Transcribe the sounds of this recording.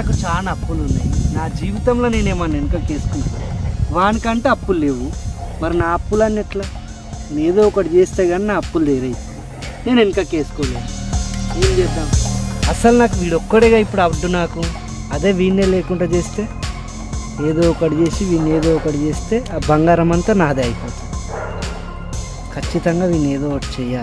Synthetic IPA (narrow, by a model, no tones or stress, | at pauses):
naːkut͡ʃaːɐnaɐpːulunːa̰ːjinaːd͡ʒiːʋit̪ɐmlo̞ːne̞ːneːmɐnːeŋkaːke̞ːsu̥kunʋaːnikɐɳʈeɐpːulle̞ːʋumɐɾinaːɐpːulɐnːɐʈlaː | neːd̪oːɔkɐɽit͡ʃe̞ːst̪aːɡaːninaːɐpːuld̪eːɾɐjt̪e | ne̞ːneŋkaːke̞ːsu̥koːlaːnuuːld͡ʒɛːd̪aːmɐsɐlnaːkuʋiːɽɔkːɐʈiɡaːipːuɽɐɖːunaːku | ɐd̪e̞ːʋiːnːeːleːkuɳɖaːt͡ʃe̞ːst̪e̞ː | eːd̪oːɔkɐɽit͡ʃe̞ːsiʋiːnːeːd̪oːɔkɐɽit͡ʃe̞ːst̪e̞ːbɐŋɡaːɾɐmɐnt̪aːnaːd̪eɐjipoːt̪unii | kʰɐt͡ʃːit̪ɐŋɡaːʋiːnːeːd̪oːʈt͡ʃɛːjːaː